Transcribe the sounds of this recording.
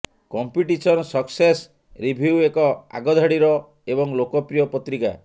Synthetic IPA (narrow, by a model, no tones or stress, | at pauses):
kɔmpiʈisɔnɔsɔkses | ɾibʱiuekɔa̰ɡɔd̪ʱaɽiɾɔ | ebɔŋlokɔpɾijɔpɔt̪ɾika̰